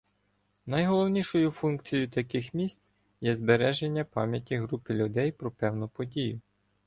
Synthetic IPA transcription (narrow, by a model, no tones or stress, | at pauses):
nɐjɦɔlˠɔwnʲiʃɔjʊfunkt͡sʲijʊt̪ɐkɪxmʲisʲt̪ʲ | jɛzbeɾɛʒenʲːɐpɑ̰mʲjɐtʲiɦɾupɪlʲʊd̪ɛjpɾɔpɛwnʊpɔdʲijʊ